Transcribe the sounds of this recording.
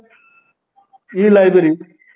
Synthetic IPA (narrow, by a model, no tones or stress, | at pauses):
iːlajbeɾi